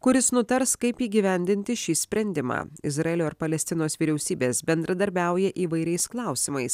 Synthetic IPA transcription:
kʊɾʲɪsnʊt̪ɐɾskɐɪpiːɡʲiːʋʲɛnʲd̪ʲɪnʲt̪ʲɪʃʲiːsʲpʲɾʲɛnʲd̪ʲɪmɑ̰ːɪzɾɐɛːlʲoːɪɾpɐlʲɛsʲt̪ʲɪnoːsʋʲiːɾʲɛʊsʲiːbʲeːsbʲɛnd̪ɾɐd̪ɐɾʲbʲæˑʊjɛʔiːʋɐɪɾʲɛɪsklˠɐˑʊsʲɪmɐɪs

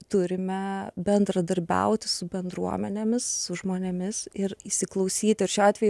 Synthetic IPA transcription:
t̪ʊɾʲɪmʲɛbʲɛnd̪ɾɐd̪ɐɾʲbʲɛ̰ʊt̪ʲɪsʊbʲɛnd̪ɾuɔmʲɛnʲemʲɪsːʊʒmoːnʲemʲɪsɪɾiːsʲɪklˠɒʊsʲiːt̪ʲɪɪɾʃʲoːɑːt̪ʋʲɛj

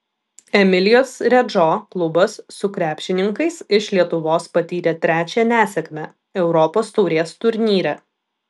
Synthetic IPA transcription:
ɛmʲɪlʲɪjoːsɾʲɛd͡ʒoːklˠʊbɐsːʊkɾʲæːpʲʃʲɪnʲɪŋkɐɪsɪʃlʲiɛt̪ʊʋoːspɐt̪ʲiːɾʲɛt̪ʲɾʲæːt͡ʃʲɛnʲæːsʲɛkʲmʲɛ | ɛʊɾɔpoːst̪ɔʊɾʲeːst̪ʊɾʲnʲiːɾʲɛ

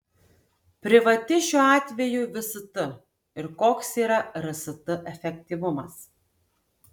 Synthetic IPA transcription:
pʲɾʲɪʋɐt̪ʲɪʃʲuːɑːt̪ʲʋʲɛjuːʋʲɪsʊt̪ʊ | ɪɾkoːksiːɾɐɾɐsɐt̪ʊʔɛfʲɛkʲt̪ʲiʋʊmɐs

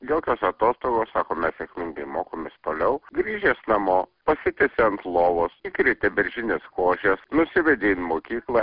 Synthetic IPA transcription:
joːkʲoːsɐt̪oːst̪oːɡoːssɑːkoːmʲɛssʲɛkʲmʲɪŋɡɐɪmoːkoːmʲest̪oːlʲɛʊɡɾʲiːʒʲeːsnɐmoːpɐsʲɪt̪ʲɪsʲeɐnt̪lˠoːʋosiːkɾʲɛɪt̪ʲɛbʲɛɾʲʒʲɪnʲeːskoːʒʲɛsnʊsʲɪʋʲɛd̪ʲinmoːkʲiːklˠɑ

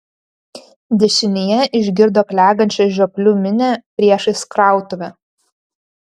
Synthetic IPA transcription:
d̪ʲɛʃʲɪnʲɪjɛʔɪʒʲɡʲɪɾd̪oːkʲlʲæːɡɐnʲt͡ʃʲɛʒʲoːpʲlʲuːmʲɪnʲæpʲɾʲiɛʃɐɪskɾɑˑʊt̪ʊʋʲɛ

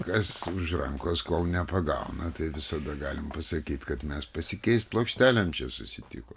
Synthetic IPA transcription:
kɐsʊʒrɐŋkoːskoːlˠnʲɛpɐɡɐ̰ʊnɐt̪ɐɪʋʲɪsɐd̪ɐɡɑːlʲɪmpɐsɐkʲiːt̪kɐt̪mʲɛspɐsʲɪkʲɛɪst̪̚plˠoːkʃʲt̪ʲæːlʲɛmt͡ʃʲɛsʊsʲɪt̪ʲɪ̰koː

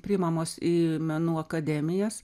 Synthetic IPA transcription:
pʲɾʲɪɪmɐmoːsiːmʲɛnuːɐkɐd̪ʲɛːmʲɪjɛːs

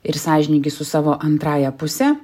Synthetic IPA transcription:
ɪɾsɑːʒʲɪnʲiːɡʲɪsʊsɑːʋoːʔɐnt̪ɾɑːjɛpʊsʲɛ

